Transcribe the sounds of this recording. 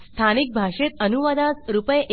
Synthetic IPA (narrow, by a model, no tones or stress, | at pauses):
st̪ʰanik̚bʱaʂet̪ənuʋad̪at͡sɾupəjʔ